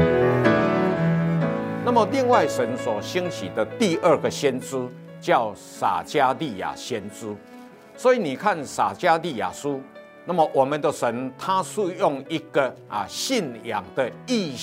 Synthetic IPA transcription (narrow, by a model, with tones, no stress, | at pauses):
na˥˨mə˨li˥˧ŋwa˥˩ɪʂə˨˦nswɔ˨˩ɕi˦˥ŋɕḭ˨˩d̪ə˨t̪i˥˧ʔə˥˧ɡə˨ɕjɛ˦nt͡sɹ̩˦ | t͡ɕja˥˨˩ʊ | sa̰˨˩t͡ɕja˦li˥˩ja̰˨˩ɕjɛ˦nt͡sɹ̩˦ | swɔ˧˦i˨nĩ˨˩kʰa˥˨nsa˨˩t͡ɕja˦li˥˩ja̰˨˩su˦ | na˥˨mə˨ʔwɔ˨˩mə˨nd̪ə˨ʂə˨˦nt̪ʰa˦su˥˧jʊ˥˨ŋi˦ɡə˨a˨ɕi˥˨nja̰˨˩˦ŋd̪ə˨i˥˧